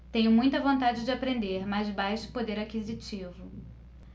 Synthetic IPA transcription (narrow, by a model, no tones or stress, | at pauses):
t̪ẽɲʊmũj̃t̪ɐvõnt̪ad͡ʒɪd͡ʒɪapɾẽnd̪eɾmazbajʃʊ̥pod̪eɾakizit͡ʃivʊ